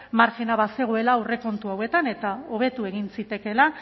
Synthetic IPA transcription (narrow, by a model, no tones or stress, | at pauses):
maɾkinaβase̞ɣ̞oe̞laure̞ko̞nt̪uawe̞t̪ane̞t̪ao̞β̞e̞t̪ue̞ɣ̞insit̪e̞ke̞la